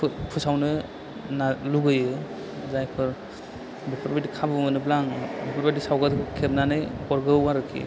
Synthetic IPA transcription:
pʰɯsawnɯ | naluɡɯjɯ | zajpʰɯɾ | bipʰɔɾbadikʰabɯmɯnɯblaŋbipʰɔɾbadisawɡatkʰɯkʰeb̚nanɯjkɔɾɡɯwaɾɯkʰḭ

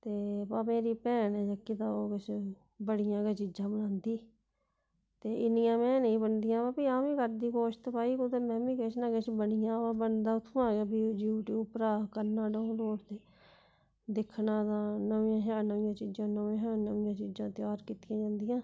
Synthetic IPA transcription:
t̪eːpaːmeːɾiːpɛːnɛːd͡ʒəkːiːt̪ãːoːkɪt͡ʃʰ | bəɽɪjãːket͡ʃid͡ʒãːbənãːnd̪iː | t̪eːʔɪnɪjãːmɛ̃ːnəĩːbənd̪ɪjãːbaːpiːãːmĩːkəɾd̪iːkoːʃt̪paːiːkot̪eːmɛ̃ːmĩːket͡ʃnãːkɪt͡ʃʰbəɽɪjãːbaːbənd̪aːʊt̪ʰːãːɡeːbiːd͡ʒjuːʈjuːpɾaːkəɾnaːɖəːõːloːɽt̪eː | d̪ɪkʰːnãːt̪ãːnəʋɪ̃jãːɦaːnəʋɪjãːt͡ʃɪd͡ʒãːnəʋãːɦãːnəʋɪjãːt͡ʃid͡ʒãːt̪ɪjaːɾkiːt̪ɪjãːd͡ʒãːnd̪ɪjãː

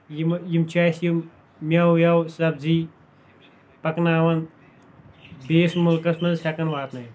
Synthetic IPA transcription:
jimjimt͡ʃʰajsjim | mʲɐwjɐwsɐb̚ziː | pɐknaːʋɐn | beːsmulkɐsmɐnsʲɐkɐnʋaːt̪nɐ

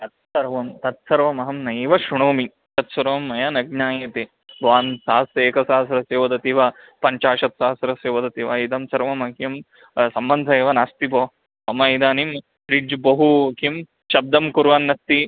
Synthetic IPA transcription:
t̪ɐt̪̚sɐɾʋɐmt̪ɐt̪sɐɾʋɐmɐɦɐmnɐjʋɐʃuɳoːmi | t̪ɐt̪sɐɾʋɐmːɐjɐnɐɡ̚ɲaːjɐt̪e | ʋaːnsaːɐseːkɐsaːɐsɐɾɐseːʋɐd̪ɐt̪iʋɐ | pɐɲt͡ʃaːʃɐt̪saːsɾɐseːʋɐd̪ɐt̪iʋɐid̪ɐmsɐɾʋɐmɐkjɐm | sɐmbɐnd̪ʱɐeːʋɐnaːst̪iboː | ɐmɐid̪aːnim | pɾid͡ʒbɐɦukim | ʃɐb̚d̪ɐmkuɾʋaːnːɐst̪i

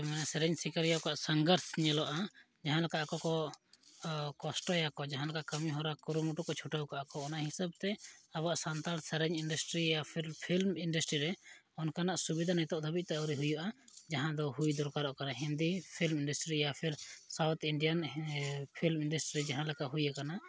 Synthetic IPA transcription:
mɛnasɛɾɛɲsikaɾjakaʔsaŋɡəɾsɲɛlɔʔa | d͡ʒaɦãlakaʔakɔkɔ | kɔsʈɔjakɔd͡ʒaɦãlakaʔkəmiɦɔɾakuɾumuʈukɔt͡ʃʰuʈəwkaʔakɔːnaʔhisab̚t̪ɛaβaʔsant̪alsɛɾɛɲiɳɖasʈɾijapʰilpʰilmiɳɖəsʈɾiɾɛ | ɔnkanaʔsubid̪ʱanajt̪ɔʔd̪ʱəbit̪̚t̪ɛəwɾiɦujɔʔad͡ʒaɦãd̪ɔɦujd̪ɔɾkaɾɔʔkanaɦind̪ipʰilmiɳɖəsʈɾijapʰiɾsawt̪ʰiɳɖijan | pʰilmiɳɖəsʈɾiɾɛd͡ʒaɦãlɛkaʔɦujakana

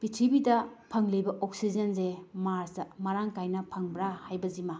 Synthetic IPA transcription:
b̥itʰibidɐpʰɐŋlibɐʔok̚sizɐnzemaɾsɐmɐɾaŋkajnɐpʰɐŋbɾahajbɐzima

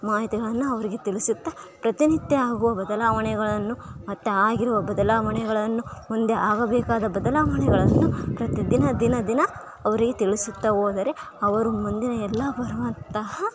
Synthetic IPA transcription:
maːɦit̪iɡɐɭɐnːuɐʋɐɾiɡe̞t̪iɭisut̪ːɐpɾɐt̪init̪jeaːɡuʋɐbɐd̪ɐlaːʋɐɳɛɡɐɭɐnːumɐt̪ːeaːɡiɾuʋɐbɐd̪ɐlaːʋɐɳɛɡɐɭɐnːumond̪eʔaːɡɐbɛːkaːd̪ɐbɐd̪ɐlaːʋɐɳɛɡɐɭɐnːupɾɐt̪id̪inɐd̪inɐd̪inɐ | ɐʋɐɾiɡe̞t̪iɭisut̪ːɐʋoːd̪ɐɾe | ɐʋɐɾumɐnd̪inɐɛlːɐbɐɾɐʋɐnt̪ɐɦɐ

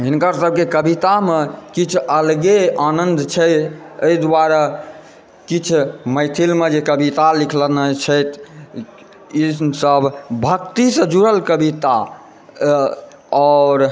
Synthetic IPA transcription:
ɦinkaɾsəb̚ʱkekəbit̪amekit͡ʃʰəlɡeanənd̪t͡ʃʰə | əid̪waɾa | kit͡ʃʰməɪt̪ʰilmed͡ʒekəbit̪alikʰlənət͡ʃʰəjt̪ʰ | isəbʱbʱəkt̪isə̃d͡ʒuɾəlkəbit̪a | ɔɾ

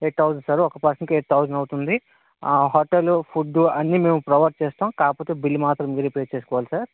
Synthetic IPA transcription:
eʈɐwd͡ʒɐnsaːɾɔkɐpɐɾsɐnkieʈʰɐwd͡ʒɐnɐwut̪und̪i | ɦoːʈelupʰuɖːuɐnːiːme̞ːmupɾɐʋɐɾ̚t͡ʃeːst̪aːmkaːpoːt̪eːbilːimaːt̪ɾɐmːiːɾepɾeːt͡ʃeːsukɔːʋaːlisaːɾ

